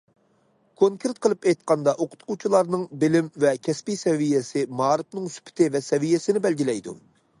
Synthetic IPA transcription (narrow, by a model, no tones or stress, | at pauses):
kʰoŋkʲʰeɾt̪̚qʰəlˠɨpɛjt̪̚qɑnd̪ɑʔoqʰʊ̥t̪qut͡ʃʰilˠɑɾnɨŋbɪlɪmvɛkʲʰɛspisɛvijɛsɪmɑːɾɨpnɨŋsy̥pʰɪ̥t̪ʰɪvɛsɛvijɛsɪnɪbɛlɡʲilɛjd̪ṵ